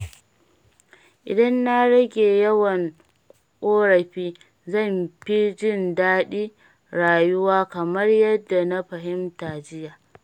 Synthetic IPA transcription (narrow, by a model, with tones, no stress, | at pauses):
ʔɪ̰˨dɐ˦nːa˦ɽɐ˦ɡʲeː˨jɐ˦wɐ˨ŋ | ʔʼoː˦ɽɐ˨ɸiː˦ | zɐ˦˨mɸi˦d͡ʒɪ˦˨ndaː˦ɗiː˦ | ɽaː˨jʊ˦waː˦kɐ˨mɐ˦rjɐ˦dːa˨na˦ɸɐ˨ɦɪ˦mtaː˨d͡ʒɪ˦jaː˨